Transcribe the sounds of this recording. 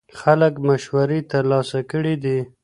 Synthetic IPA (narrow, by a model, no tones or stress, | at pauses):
xaləkmaʃwaɾet̪əɾlɑsakəɽid̪i